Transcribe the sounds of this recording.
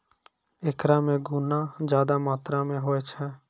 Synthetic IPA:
eːkɾãːmẽːɡuːnãːd͡ʒjaːd̪aːmaːt̪ɾaːmẽɦoːeːt͡ʃʰɛː

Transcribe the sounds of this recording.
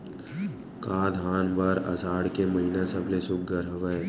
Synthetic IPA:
kaːd̪ɦaːnbəɾɐ̰saːɽkeməɦinasəbʱlesʊk̚ɡəɾəʋə

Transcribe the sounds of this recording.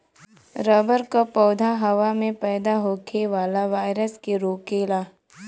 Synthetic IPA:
ɾəbəɾkapɔːd̪ʱaɦɐʋamẽpɛːd̪aɦoːkʰeʋaːlaʋaːɪɾəskeɾoːkeːlaː

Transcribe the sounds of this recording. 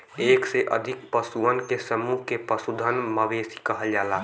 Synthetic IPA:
eːkseʔə̰d̪ʱik̚pəsuənkesəmuɦkepəsud̪ʱənməʋeːsi̥kəɦəld͡ʒaːla

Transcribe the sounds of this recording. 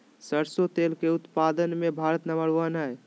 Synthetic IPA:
səɾsot̪elkeut̪pad̪ənmebʱaɾət̪nəməɽʋənɦɛj

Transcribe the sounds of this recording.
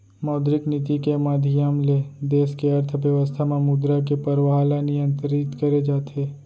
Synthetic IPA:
mɔːd̪ɾɪknɪt̪ikemaːd̪ʱijamled̪eːskeɐɾt̪ʰəbjəʋəst̪ʰamamud̪ɾak̬epɐɾʋɦalanijə̃nt̪ɾɪt̪kɐɾed͡ʒaːt̪ʰeː

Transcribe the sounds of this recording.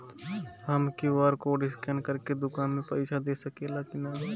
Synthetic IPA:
ɦəmkiʋaːɾkoɖɪskɛnkəɾked̪ʊkaːnmẽpəɪt͡ʃʰad̪eːsəkelakɪnaː

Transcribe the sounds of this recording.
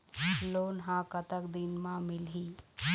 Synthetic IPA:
loːnɦãkət̪əkd̪inmãmɪlɦiː

